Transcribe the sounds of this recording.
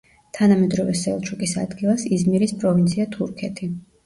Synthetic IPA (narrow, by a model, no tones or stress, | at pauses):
t̪ʰanamɛd̪ɾɔvɛsɛlˠt͡ʃʰukʼisa̰d̪ɡilˠasizmiɾispʼɾɔvint̪sʰiat̪ʰuɾkʰɛt̪ʰi